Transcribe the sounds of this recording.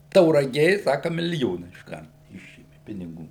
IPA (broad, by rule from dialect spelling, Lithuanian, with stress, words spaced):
tɐʊrɐˈɡʲeː ˈsɑːkɐ mʲɪlʲɪˈjoːnɐ ɪʃˈkɐrt ˈɪʃʲeːmʲɪ pʲɪnʲɪˈɡuː